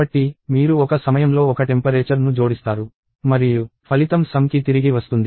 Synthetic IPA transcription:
bɐʈːimiːɾuɔkɐsɐmɐjɐmlo̞ːɔkɐʈe̞mpɐɾeːt͡ʃɐɾnud͡ʒo̞ːɽist̪aːɾu | mɐɾijupʰɐlit̪ɐmsɐmkit̪iɾiɡiʋɐst̪und̪i

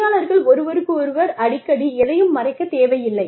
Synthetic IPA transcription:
aːɭɐɾɣɐɭɔɾɯʋɐɾɯkːɯɔɾɯʋɐɾɐɽɪkːɐɽiɛðɐjɯmːɐrɐɪkːɐt̪eːʋɐjɪlːɐɪ

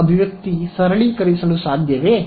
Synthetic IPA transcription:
ɐbʱiʋjɐk̚t̪isɐɾɭikɐɾisɐlusad̪ʱjɐʋe

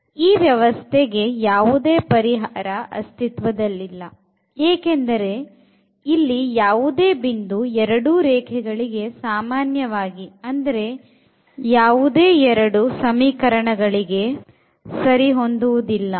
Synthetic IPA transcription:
iːʋjɐʋɐst̪ʰeɡejaːʋud̪e̞ːpɐɾiɦaːɾɐʔɐ̰st̪ʰit̪ʋɐd̪ɐlːilːɐ | eːkend̪ɐɾe̞ | ilːijaːʋud̪e̞ːbind̪uɛɾɐɽuːɾɛːkʰɛɡɐɭiɡe̞saːmaːnjɐʋaːɡiɐnd̪ɐɾe̞ | jaːʋud̪eːɛɾɐɽusɐmiːkɐɾɐɳɐɡɐɭiɡe̞ | sɐɾiɦo̞nd̪uʋud̪ilːɐ

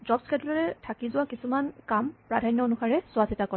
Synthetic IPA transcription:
d͡ʒɔbskɛdɔlɔɹɛtʰakizʊwakisumankampɹadʱanjɔonuxaɹɛsʊwasitakɔɹɛ

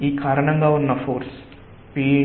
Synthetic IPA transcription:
iːkaːɾɐɳɐŋɡaːunːɐfoːɾs | piː

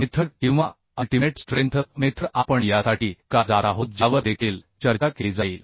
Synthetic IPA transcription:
met̪ʰɾəɾkĩw̃ʋa | əlʈimeʈsʈɾẽnt̪ʰmet̪ɾəʔapəɳjasaʈiːkad͡zaɾaɦot̪̚d͡ʑaʋəd̪ekʰiːlt͡ɕəɾt͡ɕakelid͡zaiːl

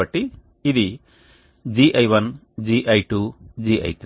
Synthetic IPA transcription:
ɐʈːiː | d̪i | d͡ʒiʔɐjʋɐn | d͡ʒiʔɐjʈud͡ʒiʔɐ̰jt̪

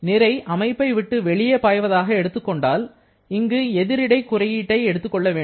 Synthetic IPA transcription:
nɪɾɐɪʔɐmɐɪpːɐɪʋɪʈːɯʋɛɭɪjɐpaːjʋɐðaːɣɐɛɽɯt̪ːɯkːɔɳɖaːl | ɪŋɡɯɛðɪɾɪɽɐɪkːʊrɐjiːʈːɐɪɛɽɯt̪ːɯkːɔɭːɐʋeːɳ

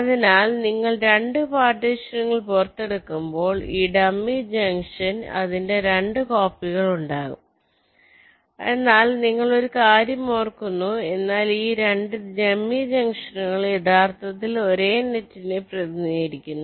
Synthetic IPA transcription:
ɐðinaːlniŋːɐɭɾe̞ɳɖɨpaːʈːɐɕɐŋːɐɭpurt̪ːe̞ɽukːumbo̞ːɭiːɖɐmːid͡ʑɐŋʂɐnɐ̰ðinde̞ɾe̞ɳɖɨko̞ːpːiɣɐɭuɳɖaːɣṵm | enːaːlniŋːɐɭo̞ɾukaːɾjɐmoːrkːunːue̞nːaːliːɾe̞ɳɖɨd͡ʑɐmːid͡ʑɐŋʂɐnŋɐɭe̞t̪ʰaːrt̪ɐt̪ːilo̞ɾe̞ːnetːineprɐðnijɐɾikʲːunːu

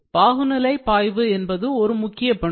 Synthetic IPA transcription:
b̥aːɣɯnɪlɐɪpaːjʋɯɛnbɐðɯɔɾɯmʊkːɪjɐpɐɳ

